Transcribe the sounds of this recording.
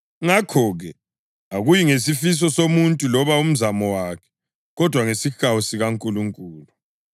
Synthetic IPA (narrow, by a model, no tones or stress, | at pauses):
ŋakʰɔɣɛ | aɣujiŋesifis̬ɔsomuntʼulɔβaum̩zamɔwakʰɛ̥ | ɣɔd̥ʱwaŋesixawusiɣaŋkʼuluŋkʼuːlu